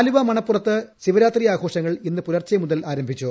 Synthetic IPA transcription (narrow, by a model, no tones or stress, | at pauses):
luʋɐmɐɳɐpːurɐt̪ːɨɕiʋɐɾaːt̪rijaːɡʰʱo̞ːʂɐŋːɐɭinːɨpuɾɐrt͡ɕːɐmuðɐlaːɾɐmbʱit͡ɕːu